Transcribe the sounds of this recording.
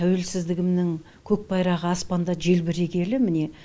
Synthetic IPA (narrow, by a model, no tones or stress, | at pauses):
æwe̞lsɪzd̪ɪɡʲɪmnɪŋ | kʲʰɵk̚bɑjɾɑʁəɑspɑnd̪ɑʒe̞lbɪɾe̞kʲe̞lɪmɪne̞